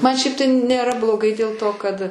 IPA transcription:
ˈmɐn ˈʃʲɛɪp tɐɪ nʲeːˈrɐ blˠoːˈɡɐɪ dʲeːlˠ ˈtoː kɐt

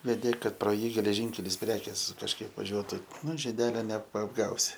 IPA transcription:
ʋʲɛˈdʲeː ˈkɐt proː ˈjiː ɡʲɛlʲɛˈʒʲiːŋʲkʲɛlʲɪs ˈpʲrʲæːkʲeːs kɐʃˈkɐɪp ʋɐˈʒʲuɔtʊ ˈnʊ ʒʲɪˈdʲæːlʲoː nʲɛpɐɐbˈɡɐʊsʲɪ

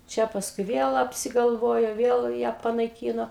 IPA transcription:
ˈt͡ʃʲɛ pɐsˈkʊɪ ˈʋʲiɛlˠ ɐpʲsʲɪɡɐlˠˈʋoːjoː ˈʋʲiɛlˠ jæː pɐnɐɪˈkʲiːnoː

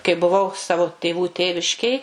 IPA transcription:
kɐɪ bʊˈʋɐʊ ˈsɑːʋoː tʲeːˈʋuː ˈtʲeːʋʲɪʃʲkʲeːj

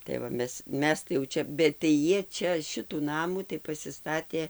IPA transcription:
tɐɪ ʋɐ ˈmʲɛs ˈmʲɛs tɐɪ jɛʊ ˈt͡ʃʲɛ bʲɛt tɐɪ ˈjiɛ ˈt͡ʃʲɛ ˈʃʲɪtuː ˈnɑːmuː tɐɪ pɐsʲɪˈstɑːtʲeː

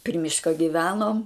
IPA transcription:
pʲrʲɪ ˈmʲɪʃkɐ ɡʲɪˈʋʲæːnoːm

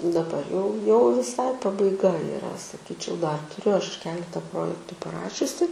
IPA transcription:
dɐˈbɐr jɛʊ jɛʊ ʋʲɪˈsɐɪ pɐbɐɪˈɡɐ ɪˈrɐ sɐˈkʲiːt͡ʃʲɛʊ dɐr tʊˈrʲʊ ˈɐʃ ˈkʲæːlʲɛtɐ ˈproːjɛktʊ pɐˈrɑːʃʲʊsʲɪ

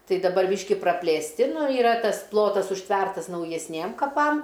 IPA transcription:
ˈtɐɪ dɐˈbɐr ˈbʲiːʃʲkʲɪ prɐpʲlʲeːsʲˈtʲɪ nʊ ɪˈrɐ ˈtɐs ˈplˠoːtɐs ʊʃʲˈtʲʋʲɛrtɐs nɐʊjɛsʲˈnʲiɛm kɐˈpɐm

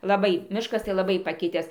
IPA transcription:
lˠɐˈbɐɪ ˈmʲɪʃkɐs tɐɪ lˠɐˈbɐɪ pɐˈkʲɪtʲæːs

